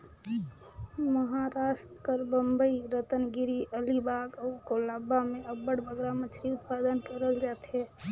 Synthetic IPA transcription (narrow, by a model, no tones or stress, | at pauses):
məɦaɾaːʃʈəkəɾbəmbəiɾət̪ənɡiɾiʔəlibaːɡəkolabamẽəbəɽbʱəɡɾamət͡ʃʰɾiʊt̪pad̪ənkəɾəld͡ʒaːt̪ɦɛ